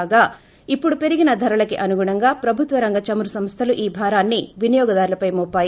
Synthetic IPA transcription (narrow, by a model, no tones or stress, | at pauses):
ɡaː | ipːuɽupe̞ɾiɡinɐd̪ʱɐɾɐlɐkiʔɐnuɡuɳɐŋɡaːpɾɐbʱut̪ʋɐɾɐŋɡɐt͡ʃɐmuɾusɐmst̪ʰɐluʔiːbʱaːɾaːnːiʋinijɔːɡɐd̪aːɾulɐpɐjmɔpːaːji